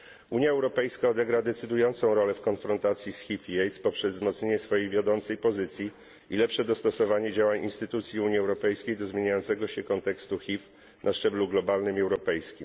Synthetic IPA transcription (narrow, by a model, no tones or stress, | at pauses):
uɲjaɛwɾɔpɛjskaɔd̪ɛɡɾad̪ɛt̪sɘd̪ujɔnt̪sɔ̃w̃ɾɔlɛfkɔnfɾɔnt̪at̪sʲjisxʲifiɛjt̪spɔpʂɛzzmɔt̪sɲeɲɛsfɔjejvʲjad̪ɔnt̪sɛjpɔzɘt̪sʲji | ilɛpʂɛd̪ɔst̪ɔsɔvaɲɛd͡ʑawaɲinst̪ɘt̪ut̪sʲjiuɲiɛwɾɔpɛjskʲejd̪ɔzmʲjeɲajɔnt̪sɛɡɔɕɛkɔnt̪ɛkst̪uxʲif | nʔaʂt͡ʂɛbluɡlɔbalnɘmɛwɾɔpɛjskʲim